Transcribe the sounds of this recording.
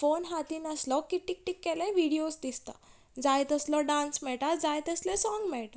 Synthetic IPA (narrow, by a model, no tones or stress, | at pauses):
fonɦat̪iːnaslɔkiʈik̚ʈikːɛlẽʋiɽijosd̪ist̪a̰ | d͡zajt̪əslɔɖãnsmɛɭʈad͡zajt̪əslesɔŋɡmɛɭʈa